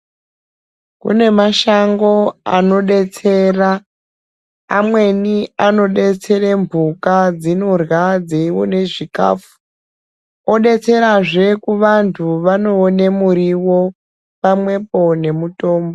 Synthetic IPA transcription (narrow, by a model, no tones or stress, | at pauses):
kṵne̞maʃaŋɡo̞ano̞ɗe̞t͡se̞ra | mwe̞niano̞ɗe̞t͡se̞reɱvʱukad͡zinorwad͡zeiwo̰ne̞ʐika̰ːfu̥ | oɗe̞t͡se̞ɾaʐe̞kuʋantʰuʋano̞ːnemuɾiwo̞ | pamwe̞po̞ne̞muto̞ːmbo